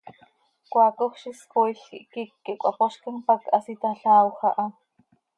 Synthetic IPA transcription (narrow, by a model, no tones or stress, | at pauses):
kʷaːkoxʃiskojɬiʔkikːiʔkʷɑpoʃkinpakɑsit̪aɬaːwxɑʔɑ